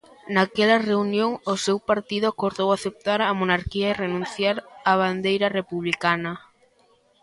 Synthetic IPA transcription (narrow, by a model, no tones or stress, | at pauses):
nakɛlɐreunjoŋʊsewpaɾt̪iðʊakoɾðowaθep̚t̪aɾɐmonaɾkiɐerenũn̟θjaɾaβ̞and̪ejɾɐrepuβlikanɐ